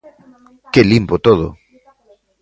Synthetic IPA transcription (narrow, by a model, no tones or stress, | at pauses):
kelimpot̪oð̞o̰